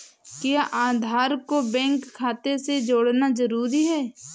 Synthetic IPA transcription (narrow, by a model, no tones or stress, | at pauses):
kɪjaʔaːd̪ʱaːɾkobɛ̃ŋkʰːaːt̪esed͡ʒoːɽnazəɾuːɾiɦɛː